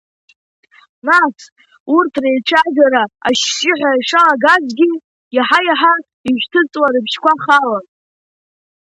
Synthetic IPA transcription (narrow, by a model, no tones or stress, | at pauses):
nas | urtʰrejʈ͡ʂʰazaɾaa̰ʃʃiħʷᶣaʂaaɡazɡʲi | jaħajaħa | iʒʷᶣtʰɨt͡sʼwaɾɨbʰʃkʷaχalan